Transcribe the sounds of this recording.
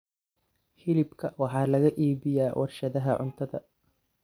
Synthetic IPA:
hɪlɪbkʰɐwɑħɑːlɐɣɐʔiːβɪjaːwʔɑrʃɐðɐɦɐʕʊ̰nt̪ʰɐðɐ̰

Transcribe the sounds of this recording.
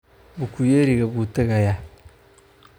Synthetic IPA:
bukujeɾiɡɛbuteɡaja

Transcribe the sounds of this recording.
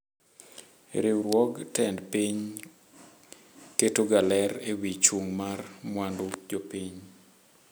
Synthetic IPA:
ɾiwwɔɡtɛndpiɲ | ketoɡalɛɾewit͡ʃuŋmarmwandʊd͡ʒopiɲ

